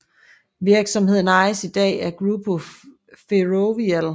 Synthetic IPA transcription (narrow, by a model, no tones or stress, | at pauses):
ʋiɐɡ̥sɒ̽mhe̝ð̞̰ˠn̩ɑ̈ɪsid̥ɛ̰ːæɐɡ̥ʁubʰo | feʁoʋiæl